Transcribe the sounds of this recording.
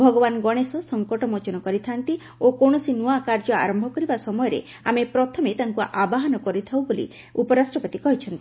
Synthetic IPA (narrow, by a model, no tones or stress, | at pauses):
bʱɔɡɔbanɡɔɽ̃esɔsɔŋkɔʈɔmot͡ʃɔnɔkɔɾit̪ʰant̪i | okoɽ̃ɔsinuakaɾd͡ʒɔa̰ɾɔmbʱɔkɔɾibasɔmɔjɔɾḛ | amepɾɔt̪ʰɔmet̪aŋkuʔabaɦɔnɔkɔɾit̪ʰawbolḭ | upɔɾasʈɾɔpɔt̪ikɔɦit͡ʃʰɔnt̪i